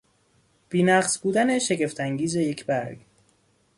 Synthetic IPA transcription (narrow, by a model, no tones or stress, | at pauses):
b̥iːnæɢsbuːd̪æne̞ʃe̞ɟe̞ft̪ʰæŋɟiːze̞je̞cʰbæɾɡ̥